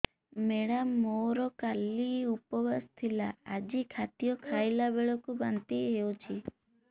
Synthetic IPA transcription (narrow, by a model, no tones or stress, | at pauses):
meɽammːoɾɔkaliupɔbast̪ʰilaad͡ʒikʰat̪ijɔkʰajlabeɭɔkubant̪iɦeut͡ʃʰi